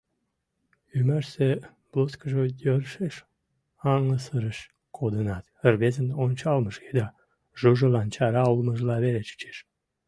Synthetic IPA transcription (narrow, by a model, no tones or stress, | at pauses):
ymæʃse | b̥loskəʒəjərʃeʃ | ɑŋəsəɾəʃ | kʰod̪ənɑt̪ərβezənonʲt͡ɕɑlməʃked̪ɑ | ʒuʒəlɑnt͡ɕɑɾɑulməʒlɑβelet͡ɕə̥t͡ʃe̥ʃ